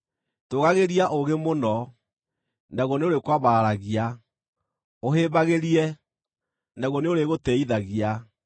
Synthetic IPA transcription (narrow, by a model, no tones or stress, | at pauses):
toɣaɣeɾiaʔoɣemonɔ | nɛɣɔneoɾekwaβaːɾaɣia | oɦeːbaɣeɾiɛ | nɛɣɔneoɾeɣotɛiðaɣia